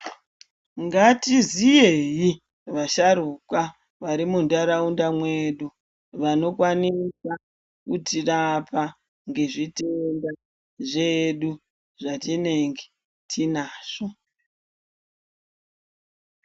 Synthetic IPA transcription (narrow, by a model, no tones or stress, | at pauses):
ŋɡatizijeji | ʋaʃaɾukwa | ʋaɾimundaɾaundamwe̞ɗu | ʋano̞kwanisa | kutirapa | ŋɡe̞ʐitenda | ʐeɗu | ʐatine̞ŋɡe̥ | tʰinaːʂo